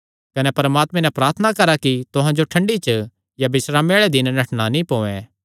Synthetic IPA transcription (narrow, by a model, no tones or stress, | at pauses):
kɐnɛpɐɾmaːt̪mɛ̃nɛ̃pɾaːɾt̪ʰənakɐɾakit̪ʊɦãd͡ʒoʈʰɐ̃ɳɖit͡ʃɐ | jabɪsɾameːɭɛd̪ɪnnɐʈnanĩpõːɛ̃